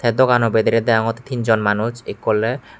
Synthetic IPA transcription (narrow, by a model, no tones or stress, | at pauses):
t̪ʰɛd̪okanobed̪eɾed̪ɛoŋot̪i̥t̪ind͡ʑɔnmanuʃekːolːe